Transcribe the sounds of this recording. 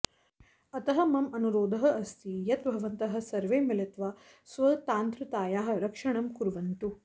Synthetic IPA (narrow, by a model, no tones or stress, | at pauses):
ɐt̪ɐɦɐ̆mɐmɐnuɾoːd̪ʱɐɦɐɐst̪ʰijɐt̪bʱɐʋɐnt̪ɐɦɐ̆sɐɾʋeːmilɐt̪ʋaː | sʋɐt̪aːnt̪ɾut̪aːjaːɦɐ̆ɾɐkʂɐɳɐmkuɾʋɐnt̪u